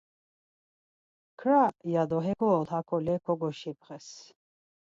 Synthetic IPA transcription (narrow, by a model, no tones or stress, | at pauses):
kʰɾajad̪ɔɦɛɡɔːlhakʰɔlɛkʰɔɡɔʃip̚ʰχɛs